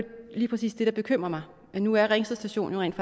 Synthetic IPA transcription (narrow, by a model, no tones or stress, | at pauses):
liːpʰʁɛsḭːsd̥e̝ɾ̥ɑ̈b̥e̝kʰøm̰ʁɐmɑ̈ɪ | ænuæɐʁɛŋsð̩ˠsd̥æɕo̝̰ːnjoʁɛ̰ːnd̥f